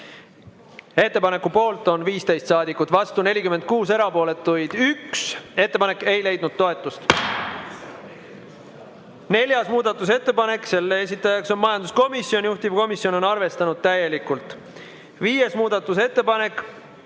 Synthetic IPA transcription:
e̞t̪ːe̞pɑne̞kːupo̞ːlt̪ˑo̞nviːst̪e̞jst̪sɑːd̪ikːˑut̪vɑst̪une̞lʲikymend̪̚kuːse̞ɾɑpo̞ːle̞t̪ːˑujd̪̥ykse̞t̪ːepɑne̞kːe̞jle̞jd̪̥̚nud̪̥̚t̪o̞e̞t̪ːˑust̪ | ne̞lʲjɑsmuːd̪̥ɑt̪ːˑus̬e̞t̪ːe̞pɑne̞kˑːse̞lːees̬ʲit̪ːˑɑjɑkso̞nmɑjɑnd̪usko̞misio̞nʲjuht̪ivko̞misjo̞no̞nɑrve̞st̪ɑnud̪̥̚t̪æje̞likult̪ˑ | viːje̞smuːd̪ɑt̪ːˑus̬e̞t̪ːe̞pɑne̞kːˑ

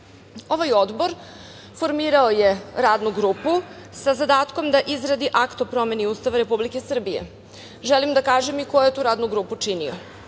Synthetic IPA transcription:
o̞ʋajo̞d̪bo̞ɾ | fo̞ɾmiːɾaoje̞ɾaːd̪nuɡɾuːpusazad̪aːt̪ko̞md̪aʔizɾad̪iʔakt̪opɾo̞me̞niuːst̪aʋaɾe̞publike̞sr̩bije̞̰ | ʒelimd̪akaːʒemiko̞jjet̪uːɾaːd̪nuɡɾuːput͡ʂinḭo

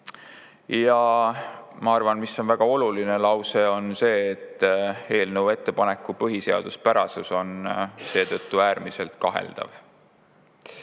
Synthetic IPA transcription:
jɑ | mɑɑrvɑnmisːo̞nvæɡ̥ɑo̞luline̞lɑwseo̞nse̞ːt̪ːˑe̞ːlnəwe̞t̪ːe̞pɑne̞kːˑupɤɦise̞ɑ̰d̪̥uspæɾɑsuso̞nse̞ːt̪ɤt̪ːuæːrmise̞lt̪kɑɦe̞̰ld̪̥ɑ̰v

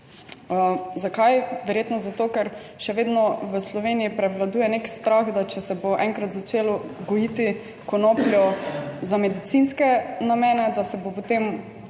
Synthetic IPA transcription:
əzakajʋɛɾjeːt̪nɔzat̪oːkɛɾʃɛʋeːd̪nɔʋəslɔʋenijipɾɛʋlad̪uːjɛnekst̪ɾaxd̪at͡ʃɛsɛboʔɛŋkɾat̪zat͡ʃelɔɡɔjit̪i | kɔnopljɔzamɛd̪it̪sinskɛnamɛːnɛd̪asɛbopot̪em

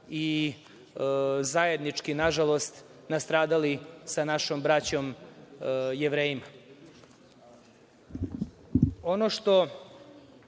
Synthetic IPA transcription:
i | zajed̪nit͡ʂkinaʒalo̞st̪nast̪ɾaːd̪alisanaʃombɾat͡ɕo̞m | jeʋɾeːjima | onoʃt̪o̞

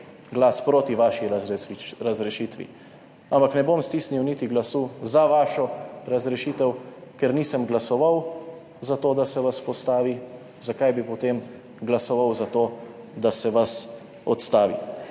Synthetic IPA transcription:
ɡlaːspɾoːt̪iʋaːʃiɾzɾazɾɛʃiːt̪ʋḭ | ampaknɛbomst̪iːsniwnit̪iɡlasuzaʋaːʃɔɾɐzɾɛʃiːt̪ɛwkɛɾniːsəmɡlasɔʋaw | zat̪oːd̪asɛʋaspɔst̪aːʋi | zakajbipɔt̪eːm | ɡlasɔʋawzat̪oː | d̪asɛʋas | ɔt̪st̪aːʋḭ

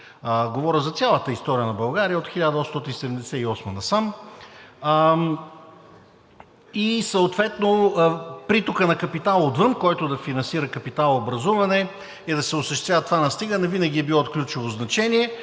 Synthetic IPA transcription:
ɡovɔɾʲəzɐt̪sʲalˠət̪əist̪ɔɾijənɐbɐlˠɡaɾijəot̪xiʎʲad̪əɔsst̪ɔt̪insɛd̪ɛmd̪ɛsɛiɔsmənɐsam | isəot̪vɛt̪nopɾit̪okənɐkɐpit̪alˠod̪vɤmkɔjt̪ʊd̪ɐfinɐnsiɾəkɐpit̪alˠobɾɐzuvɐnɛ | ɛd̪ɐsɛʊsəʃt̪ɛt̪vʲjavət̪ovanɐst̪iɡənɐvinɐɡʲiɛbilˠɔt̪̚klʲut͡ʃɛvoznɐt͡ʃɛniɛ

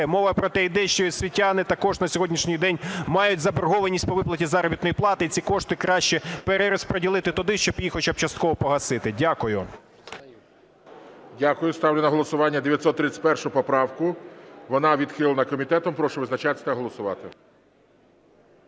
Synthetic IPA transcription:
mɔʋɐpɾɔt̪ɛid̪ɛʃt͡ʃɔisʲʋʲitʲːanɪt̪ɐkɔʒnɐsʲɔɦɔdʲnʲiʃnʲijd̪ɛnʲmɑjʊtʲzɐberɦɔʋɐnʲisʲt̚ʲpɔʋɪplˠɐtʲizɑɾɔbʲit̪nɔjiplˠɑt̪ɪit͡sʲikɔʃt̪ɪkɾɑʃt͡ʃɛpeɾeɾɔspɾɔdʲilˠɪt̪ɪt̪ɔd̪ɪʃt͡ʃɔpjixɔt͡ʃap̚t͡ʃɐst̪kɔɦɔpɔɦɐsɪt̪ɪdʲakʊjʊ | dʲakʊjʊst̪ɑwlʲenɐɦɔlˠɔsʊʋɑnʲːɐd̪eʋʲjɐt̪sɔt̪ːɾɪt͡sʲɪ̥pɛrʃʊʊpɔpɾɑwkʊʋɔnɑʋʲid̪xɪlˠɐnɐkɔmʲit̪ɛt̪ɔmpɾɔʃɛʋɪznɐt͡ʃɑt̪ɪ̥t̪ɛɦɔlˠɔsʊʋɑ̰t̪ɪ

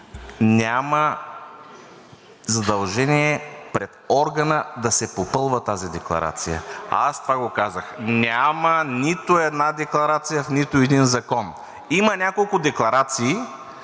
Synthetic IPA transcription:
nʲamə | zɐd̪ɐlˠʒɛniɛpɾɛt̪ɔɾɡənəd̪ɐsɛpopɤlˠvət̪azid̪ɛklˠɐ̰ɾa̰t̪sijə̰a̰st̪ovaɡokazəxnʲamənit̪ʊɛd̪nad̪ɛklˠɐɾat̪sijəfnit̪ʊɛd̪inzɐkɔn | imɐnʲakolˠkʊd̪ɛklˠɐɾat̪siː

